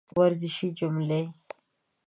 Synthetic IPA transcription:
waɾzɪʃid͡ʒʊmle

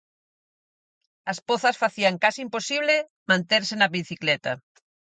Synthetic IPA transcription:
ɐspoθɐsfaθiɐŋkasiimposiβlɪ | mãnt̪eɾsɪnɐβiθiklɛt̪ɐ

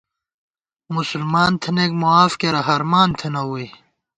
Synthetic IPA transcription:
musulmaːnt̪ʰenek̚moaːfkeɾɐɦɐɾmaːnt̪ʰenɐwuj

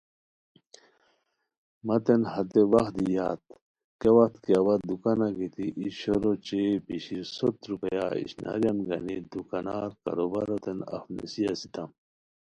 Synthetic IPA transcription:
mɐt̪enhɐt̪ewɐxd̪ijaːt̪ | kewɐxt̪keɐwɐd̪ukanaɡit̪iʔiɕoɾot͡ɕepiɕiɾsot̪ɾupɐjaḭɕna̰ɾjɐmɡɐnid̪ukanaːɾkɐ̰ɾobaɾot̪enɐ̰fnḛsijasit̪ɐm

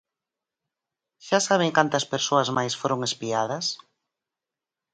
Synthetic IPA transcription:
ʃasaβ̞eŋkant̪ɐspeɾsoɐzmajsfoɾoŋespiað̞ɐs

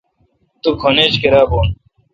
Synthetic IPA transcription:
t̪ukʰoneːt͡ɕkɐɾaːboːn

